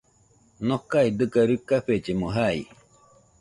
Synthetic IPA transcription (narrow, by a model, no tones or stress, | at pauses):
nokaid̪ɨkaɾɯkaɸed͡ʒemoɦai